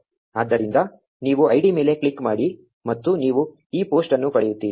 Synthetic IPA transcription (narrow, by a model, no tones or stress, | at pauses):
aːd̪ːɐɾind̪ɐ | niːʋuɐjɽime̞ːle̞kɭikːmaːɽi | mɐt̪ːuniːʋu | iːpo̞ːsʈɐnːupɐɽɛjut̪ːiːi